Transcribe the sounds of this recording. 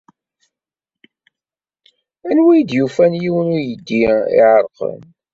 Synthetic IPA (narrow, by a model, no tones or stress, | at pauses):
ænwijd̪jufænjiwənujəd̪ːiḭʕəɾˤqə̰n